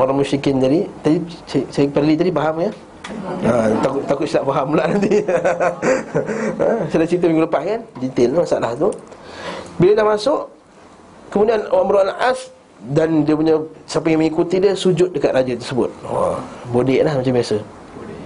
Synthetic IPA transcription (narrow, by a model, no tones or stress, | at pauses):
oɾaŋmusikɪnd͡ʒadit̪adissajəpərlit̪adipaɦamkə | ət̪akʔt̪akʊt̪̚silaʔpaɦamulaʔnant̪i | əsəlat͡ʃɾit̪əmiŋɡuləpahkand͡ʒɛnt̪ɪlamasaʔlaht̪u | biləlahmasʊʔ | kəmudianowaŋməɾuaʔlaʔas | dandiəp̬uɲasapəjaŋməŋikut̪idiəsud͡ʒʊt̪̚dəkat̪̚rad͡ʒət̪ərsəbʊt̪̚a̰bodɪʔlahmat͡ʃambiasə